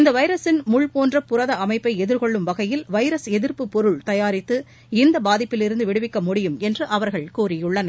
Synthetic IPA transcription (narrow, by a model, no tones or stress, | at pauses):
ɪnd̪ɐʋɐɪɾɐsɪnmʊɭpoːndrɐpʊɾɐðɐɐmɐɪpːɐɪɛðɪɾkɔɭːɯmʋɐɣɐjɪlʋɐɪɾɐsɛðɪɾpɯpɔɾɯɭt̪ɐjaːɾɪt̪ːɯ | ɪnd̪ɐbaːðɪpːɪlɪɾɯnd̪ɯʋɪɽɯʋɪkːɐmʊɽɪjɯmɛndrɯʔɐʋɐɾɣɐɭkuːɾɪjɯɭːɐnɐ